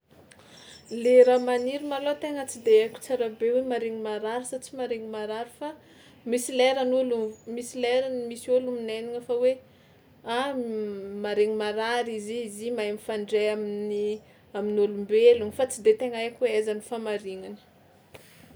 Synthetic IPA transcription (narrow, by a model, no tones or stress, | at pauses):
leɾamaniɾimalot̪eŋət͡sid̪eakʲu̥t͡saɾabewemaɾeŋimaɾaɾisat͡simaɾeŋimaɾaɾifa | misileɾanulumisileɾanimisiolumineniŋəfawe | a | maɾeŋimaɾaɾizizimaemifaɳɖ͡ʐeamini | aminulumbelunfat͡sid̪et̪eŋəekʲuweazanifamaɾiŋanə̥